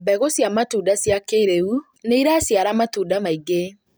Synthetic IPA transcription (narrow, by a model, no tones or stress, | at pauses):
bɛɣosjamatuːdasjakeɾeu | neiɾasjaɾamatuːdamaiɡe